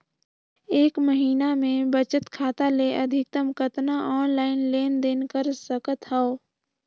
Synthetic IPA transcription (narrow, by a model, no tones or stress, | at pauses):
eːkməɦiːnamẽbət͡ʃət̪kʰaːt̪aleʔəd̪ʱɪk̚t̪əmkət̪naʔɔːnlaːɪnleːnd̪eːnkəɾsəkət̪ɦɛo